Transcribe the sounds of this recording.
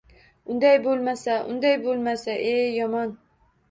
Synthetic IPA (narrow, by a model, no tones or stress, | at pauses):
ʊnd̪ajbolˠmasaʔʊ̰nd̪ajbolˠmasaʔeːɒmɒn